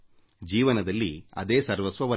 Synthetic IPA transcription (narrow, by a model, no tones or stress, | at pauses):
d͡ʒiːʋɐnɐd̪ɐlːiɐ̰d̪eːsɐɾʋɐsʋɐʋɐ